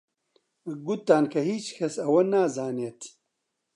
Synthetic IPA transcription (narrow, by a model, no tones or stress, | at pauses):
ɡut̪ːaːnkʰɐɦiːt͡ɕkʰɐsɐwɐnaːzaːnjet̪ʰ